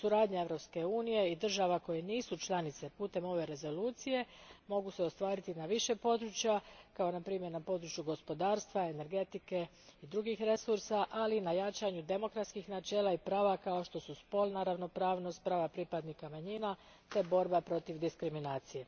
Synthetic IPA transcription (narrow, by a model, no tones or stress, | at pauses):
suɾaːd̪ɲae̞ʋɾo̞pske̞uːnije̞id̪r̩ʒaʋako̞jeniːsut͡ʃlˠanit̪se̞puːt̪e̞mo̞ʋe̞ɾe̞zo̞luːt̪sije̞mo̞ɡuse̞ost̪ʋaːɾit̪inaʋiʃe̞po̞d̪ɾut͡ʃjakao̞napɾiːmje̞ɾnapo̞d̪ɾut͡ʃjuɡo̞spo̞d̪aːɾst̪ʋae̞ne̞ɾɡe̞t̪ike̞ | id̪ɾuɡixɾe̞suɾsaʔalinajat͡ʃaɲud̪e̞mo̞kɾat̪skixnat͡ʃe̞ːlaipɾaːʋakao̞ʃt̪o̞suspo̞lˠnaɾaʋno̞pɾaːʋno̞st̪̚pɾaːʋapɾipad̪nikamaɲina | t̪e̞bo̞ɾbapɾo̞t̪iʋd̪iskɾiminaːt̪sije̞